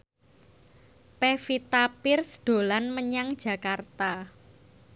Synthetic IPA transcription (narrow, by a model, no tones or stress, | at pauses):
pefit̪apɪrsd̪̥o̤lanməɲaŋd̥ʒ̥ä̤kart̪a